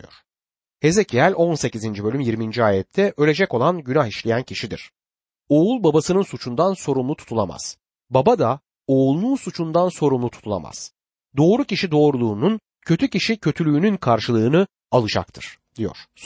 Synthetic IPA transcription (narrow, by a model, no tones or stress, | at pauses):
jo̰ɾ̥ | he̞zecʰiælʲo̞nse̞cizind͡ʒibø̞lʲymjiɾmind͡ʒiaːjɛt̪ʰːɛʔø̞lʲe̞d͡ʒɛco̞lˠanɟynaxiʃlʲejæncʰiʃid̪ḭɾ̥ | o̞ulˠbabasɯnɯnsut͡ʃʰund̪anso̞ɾumlˠut̪ʰu̥t̪ʰulˠa̰ma̰z̥ | babad̪a | o̞lˠnˠunsut͡ʃʰund̪anso̞ɾumlˠut̪ʰu̥t̪ʰulˠa̰ma̰z̥ | d̪o̞ːɾuciʃid̪o̞ːɾulˠuːnun | cʰø̞t̪ʰyciʃicʰø̞t̪ʰylʲyːnynkʰaɾʃɯlˠɯːnɯ | alˠɯd͡ʒa̰k̚t̪ʰɯɾ̥ | d̪̥ijo̞̰ɾ̥